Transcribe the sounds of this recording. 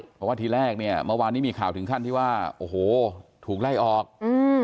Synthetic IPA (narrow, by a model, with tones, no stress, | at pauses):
pʰɔ˧˩waː˥˩t̪ʰiː˧ɾɛː˥˩k̚ni˥˩ɐmɯ˥˩˨waː˧nːiː˦˥˩miː˧kʰaː˨˩wt̪ʰɯ˩˦kʰa˥˩niː˥˩waː˥˩ʔoː˧˩hoː˨˩t̪ʰuː˨˩k̚la˥˩jʔɔː˨˩k̚ʔɯː˧